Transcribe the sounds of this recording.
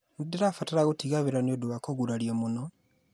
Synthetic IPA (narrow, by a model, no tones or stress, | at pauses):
nidiɾafataɾaɣutiɣaβiɾanjoduβakoɡuɾaljemuno